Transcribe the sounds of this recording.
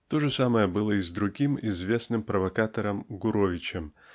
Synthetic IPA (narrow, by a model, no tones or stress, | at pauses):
t̪oʐɨsaməjəbɨlˠəizd̪ɾʊɡʲimizvʲe̞snɨmpɾɐvɐkat̪ɐɾɐmɡʊɾovʲɪt͡ɕɪm